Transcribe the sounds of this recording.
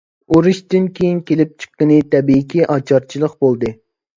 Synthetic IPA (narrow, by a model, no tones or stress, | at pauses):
oɾɨʃt̪ɪnkʲʰejinkʲʰelɪp̚t͡ʃʰə̥qːənɨt̪ʰɛbikʲiʔɑt͡ʃʰɑɾt͡ʃʰilˠəqbolˠd̪ɨ